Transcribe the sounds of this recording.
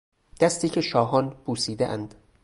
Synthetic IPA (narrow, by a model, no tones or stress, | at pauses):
d̪̥æst̪iːcʰe̞ʃɒːɦɒːnbuːsiːd̪ḛʔæ̰nd̪̥